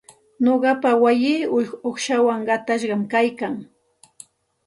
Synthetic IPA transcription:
ɲoɢɑpawajɪːʊjχoχʃawaŋɢɑt̪aʃɢɑmkajkaŋ

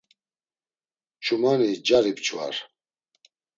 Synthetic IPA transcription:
t͡ʃʰumanid͡ʒaɾipt͡ʃʰʼva̰ɾ

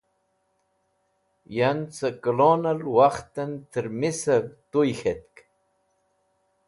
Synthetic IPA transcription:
jant͡səkəlonalwaxt̪ənt̪əɾmisəvt̪ujxet̪k

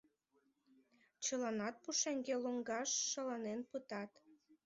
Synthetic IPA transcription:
t͡ɕəlɑnɑt̪̚puʃeŋɡeloŋɡɑʃːɑlɑnenpɯt̪ɑt̪

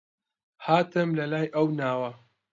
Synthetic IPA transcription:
haːt̪ʰɨmlɐlaːjʔɐwnaːwɐ

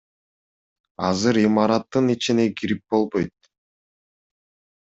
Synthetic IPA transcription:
ɑ̰zɯɾimɑɾɑt̪ːɯnit͡ʃine̞ɡiɾip̚bo̞lˠbo̞jt̪̚

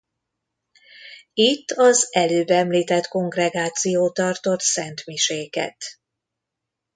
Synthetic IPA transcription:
it̪ːɒzɛløːbɛɛmliːt̪ɛt̪ko̞ŋɡrɛɡaːt̪sijoːt̪ɒrt̪o̞t̪sɛnt̪miʃeːkɛ̰t̪

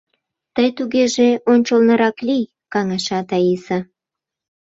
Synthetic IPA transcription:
t̪əjt̪uɣeʒeonʲt͡ɕolnə̆ɾɑklij | kɑŋɑʃɑt̪ɑjisɑ

